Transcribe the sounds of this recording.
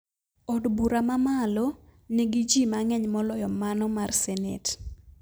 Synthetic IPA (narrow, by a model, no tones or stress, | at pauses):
ɔdbuɾamamalɔneɡid͡ʒimaŋɛɲmɔlɔjɔmanɔmarsɛnḛt